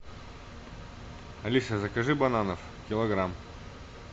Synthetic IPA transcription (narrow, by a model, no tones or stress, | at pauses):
ɐlʲisɐzɐkɐʐɨbɐnanəf | kʲɪlˠɐɡɾam